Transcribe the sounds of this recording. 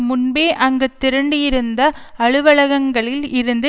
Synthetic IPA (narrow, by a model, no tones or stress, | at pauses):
mʊnbeːʔɐŋɡɐt̪ːɪɾɐɳɖɯjɪɾɯnd̪ɐ | ɐɻɯʋɐɭɐɣɐŋɡɐɭɪlɪɾɯnd̪ɯ